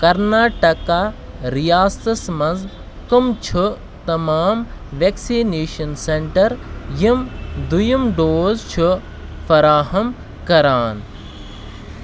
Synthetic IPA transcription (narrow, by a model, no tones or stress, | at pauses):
kɐɾnaːʈɐka | ɾijaːsɐsmɐnz | kɐmt͡ʃʰu | t̪ɐmaːmʋeksiːneːʃɐnseɳʈɐɾjimd̪ujumɖoːzt͡ʃʰu | fɐɾaːɦɐm | kɐɾaːn